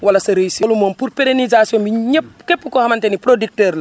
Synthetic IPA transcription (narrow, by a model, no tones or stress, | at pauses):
wɐlɐsɐɾejsolumɔmpuɾpeɾenizasjɔ̃mbiɲɛpkɛpːukɔhɐmɐntɛnipɾodik̚tɛɾlɐ